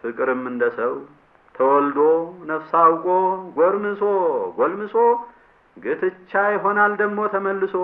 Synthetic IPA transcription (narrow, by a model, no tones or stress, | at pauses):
fɨkʼɨɾɨmɨnd̪əsəw | t̪ʰəwɔld̪onəfsawkʼoɡoɾmɨsoɡʷolmɨso | ɡɨt̪ʰɨt͡ʃːajɪɦo̞nald̪əɡmo̞t̪ʰəməlːɨso